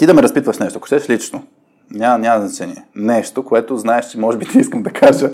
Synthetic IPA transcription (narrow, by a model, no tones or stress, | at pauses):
t̪id̪ɐmɛɾɐspit̪vɐʃnɛʃt̪oɐko̥ʃt̪ɛʃlit͡ʃno | nʲamɐnʲamɐznɐt͡ʃɛniɛnɛʃt̪okoɛt̪oznaɛʃt͡ʃɛmɔʒɛbit̪iiskəmd̪ɐkʰaʒə